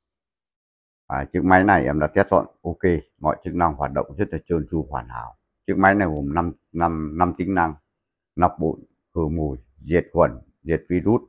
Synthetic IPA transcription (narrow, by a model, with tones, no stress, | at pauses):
aː˨˩t͡ɕɨ˦˥ək̚ma˨˦jna˨˩jʔɛ˧˩mla̰ː˧˩t̪ɛ˦˥t̚zɔ̰˧˨nʔo˧ke˧mɔ̰˧˨jt͡ɕɨ˦˥k̚na˧ŋhwaː˨˩t̚ɗə̰˧˨wŋ͡mzə˦˥t̚laː˨˩t͡ɕɨ˧˩nt͡ɕu˧hwaː˨˩na̰ː˧˩˦w | t͡ɕɨ˦˥k̚ma˨˦jna˨˩jɣo˨˩mna˧m˧ | na˧mt̪ï˨˦ŋ̟na˧ŋ | na˨˩k͡p̚ɓṵ˧˨n | kɨ˨˩əmu˨˩j | ze˨˩t̚hwə˨˩n | ze˨˩t̚vi˧ɗu˦˥t̚